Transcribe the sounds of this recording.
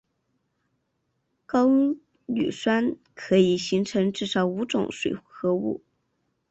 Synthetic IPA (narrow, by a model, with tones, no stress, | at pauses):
kɑ˥ʊ | ny̰˨˩ʂwa˥n | kʰɤ˧˥i˨˩ɕi˧˥ŋʈ͡ʂʰɤ˧˥ŋʈ͡ʂɻ̩˥˩ʂɑ˧˥ʊu˧˥ʈ͡ʂʊ̰˨˧˩ŋʂwḛ˨˩ɪxɤ˧˥ṵ˥˩